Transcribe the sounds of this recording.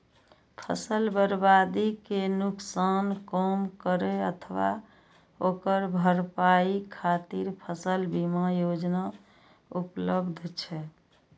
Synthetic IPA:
pʰəsəlbəɾbad̪ikenuksankəmkəɾeət̪ʰəʋa̰ | okəɾbʱəɾpaikʰat̪iɾpʰəsəlbimajod͡ʒna | upləbd̪ʱt͡ʃʰɛ

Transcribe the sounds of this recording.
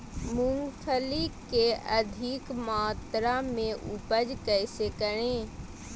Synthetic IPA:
mʊ̃ŋɡpʰəlikeɐd̪ʱikmaːt̪ɾamẽʔʊpəd͡ʒkɛːsekəɾ̃ẽː

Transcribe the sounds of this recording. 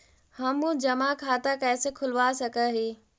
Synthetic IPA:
hɐ̃mũd͡ʑɐmakʰaːt̪akɐːɪsekʰʊlʋasɐɡʱəɦeː

